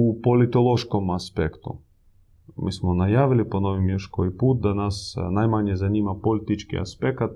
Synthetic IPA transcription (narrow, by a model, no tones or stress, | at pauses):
upolit̪olˠoʃkomaspekt̪ṵ | mḭːsmonajaːʋiliponoʋimjuʃkoipuːt̪̚d̪anasnajmaɲjezanimapolit̪it͡ʃkḭa̰spekat̪